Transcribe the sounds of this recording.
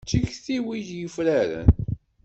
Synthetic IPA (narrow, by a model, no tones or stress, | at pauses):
t͡ʃːiçθiwiʝjəfɾæɾə̰n